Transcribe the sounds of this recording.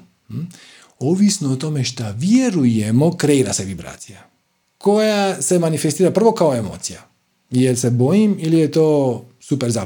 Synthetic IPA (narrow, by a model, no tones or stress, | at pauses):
oʋisnoot̪o̞meʃt̪aʋjeɾujemo̞kɾe̞iːɾase̞ʋibɾa̰ːt̪sija | ko̞jase̞manifest̪iːɾapr̩ʋo̞kaoemo̰ːt̪sija | jelse̞bo̞jimilijet̪oːsupeɾza